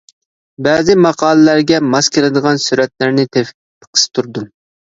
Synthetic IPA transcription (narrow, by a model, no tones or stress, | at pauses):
bɛːzɪmɑqʰɑːlˠɨlæɾɡʲɛmɑskʲʰelˠɨd̪əʁɑnsyɾɛt̪læɾnɪt̪ʰefʲt̪ʰːə̥qʰə̥st̪ʰuɾd̪u